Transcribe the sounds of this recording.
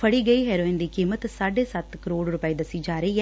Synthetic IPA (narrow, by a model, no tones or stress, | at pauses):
fɐɽiɡɐjɦeɾoind̪ikimɐt̪saːɖesat̪ːkɾoːɽɾupaːjid̪ɐsid͡ʒaːɾijɐ